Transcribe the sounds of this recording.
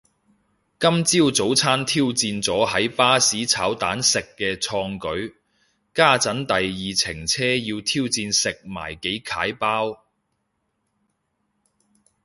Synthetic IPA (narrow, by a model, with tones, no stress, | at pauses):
kɐ˥mt͡siː˥wt͡so˨˥wt͡sʰaː˥nt̪ʰiː˥wt͡siː˧nt͡sɔː˨˥hɐ˨˥jpaː˥siː˨˥t͡sʰaː˨˥wt̪a̰ː˨˥nsɪ˨kːɛː˧t͡sʰɔː˧ŋkɵ˨˥ɥ | kaː˥t͡sɐ˨˥nt̪ɐ˨jjiː˨t͡sʰɪ˨˩ŋt͡sʰɛː˥ji˧wt̪ʰiː˥wt͡siː˧nsɪ˨k̚ma̰ː˨˩jke˨˥jkʰaː˨˥jpaː˥w